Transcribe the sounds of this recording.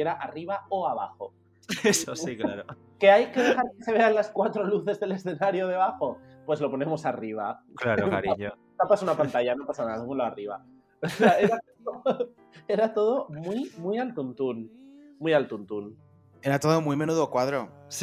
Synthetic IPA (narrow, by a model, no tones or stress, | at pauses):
eɾaʔariβ̞aoaβaxo̞ | esosiklaɾo | ke̞ajke̞ðexaɾkese̞β̞e̞anlaskwat̪ɾo̞luθe̞zðe̞le̞sθe̞naɾjoð̞e̞β̞axo̞ | pwe̞zlo̞po̞nẽ̞mo̞sariβ̞a̰klaɾka̰ɾiɲo | t̪apasunapant̪aʝano̞pasanaðat̪omoloariβa̰ | seaeɾat̪oðo | e̞ɾat̪o̞ð̞o̞mwimwialt̪unt̪unmujalt̪unt̪un | eɾat̪oðomwime̞nuðokwaðɾos